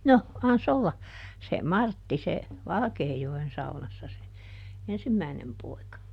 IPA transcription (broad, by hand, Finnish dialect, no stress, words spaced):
no ɑns olːɑ se mɑrtːi se ʋɑlɑ̆keːjoen sɑunɑsːɑ se ensimːæi̯nem poi̯kɑ